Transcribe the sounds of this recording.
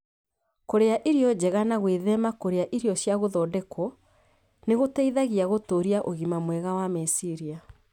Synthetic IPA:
koɾeaʔiɾjɔd͡ʑɛɣanaɣweðɛmakoɾeaʔiɾiɔɕjaɣoðɔːdɛkʰɔ | neɣotɛiðaɣiaɣotoːɾiaʔoɣimamwɛɣawamesiɾia

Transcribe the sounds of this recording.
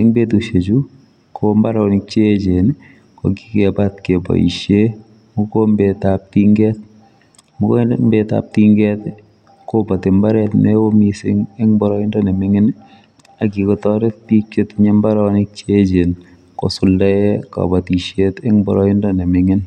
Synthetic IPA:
ɛŋbetuʃet͡ʃu | kʰombaɾanɪk̚t͡ʃed͡ʒen | ko̰ɡikɛbatkebɔ̰ḭʃe | mukombetap̚tiŋɡɛt̚ | mukombeta̰p̚tiŋɡɛt | kobatɪmbaɾɛtnɛwomisɪ̰ŋɛŋmbɔɾɔɪndɔnɛmɪŋɪn | aɡikɔtɔɾɛt̚pik̚t͡ʃetɲɛmbaɾanɪk̚t͡ʃed͡ʒen | kɔ̰sʊldɛɛkɔ̰batiʃetɛŋmbɔɾɔɪndɔnɛmɪŋɪn

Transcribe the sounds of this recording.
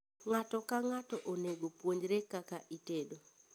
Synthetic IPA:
ŋatɔkaŋatɔʔoneɡopwoɲd͡ʒɾekakaʔitedo

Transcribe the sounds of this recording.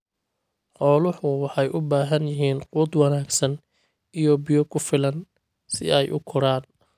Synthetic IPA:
qɔːlʊħʊwɑħɑjʔʊbaːɦɐnjɪɦiːnquːd̪wɑnaːɡsɐn | ijɔbɪjɔkʰʊfɪlɐn | sɪ̰ɛjʔʊ̰kʰʊɾaːn

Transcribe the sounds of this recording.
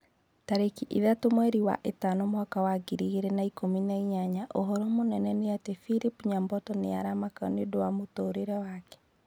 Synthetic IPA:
taɾekiʔḭðatomwɛɾiwa̰ʔetanomwakawaɡiɾiɣeɾenaikominaiɲaɲaʔoɦɔɾɔmonɛnɛneatefilipɲambɔtɔneaɾamaka̰nedowamotoːɾeɾɛwaːkɛ̥

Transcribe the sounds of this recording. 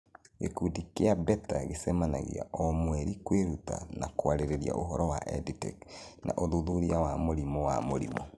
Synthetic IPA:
ekudikeabɛtaɣesɛmana̰ɣḭa̰ʔɔmwɛɾikweɾuta̰nakoaɾeɾeɾia̰ʔoɦɔɾɔwa̰ʔɛditɛ̰knʔa̰ʔoðuðuɾiawamoɾimɔwa̰moɾḭmɔ

